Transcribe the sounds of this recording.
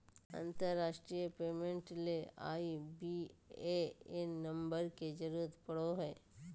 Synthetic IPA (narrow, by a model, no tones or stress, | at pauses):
ə̰̃nt̪əɾːaːʃʈɾijəpeːmẽɳʈlea̰ːibieɪnnɐ̃mbəɾked͡ʒəɾuːət̪pɐɽoɦɛː